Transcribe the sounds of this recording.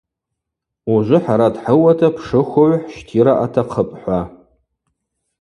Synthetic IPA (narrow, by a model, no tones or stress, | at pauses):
uʒʷʊħaɾadħəwatʰapʰʂɨxowʷħʃtʰiɾaʔatʰaqʰəpʼħʷa